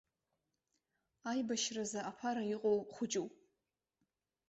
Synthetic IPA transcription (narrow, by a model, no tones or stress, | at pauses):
ajbaʃrazaʔapʰaɾajɪqʼowχʷʊd͡ʒʼuw